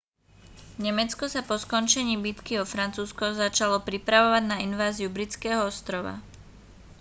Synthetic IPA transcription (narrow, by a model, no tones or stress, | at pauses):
ɲɛmɛt͡skɔsapɔskɔnt͡ʃɛɲiːbit̪kiɔfɾant͡suːskɔzat͡ʃalɔpɾipɾaʋɔʋaɟnainʋaːziubɾit͡skɛːɦɔɔst̪ɾɔʋa̰